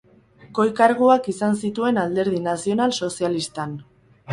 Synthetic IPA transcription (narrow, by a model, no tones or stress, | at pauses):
ko̞jkaɾɣuakisansit̪ue̞nald̪e̞ɾðinasio̞nalso̞sialist̪an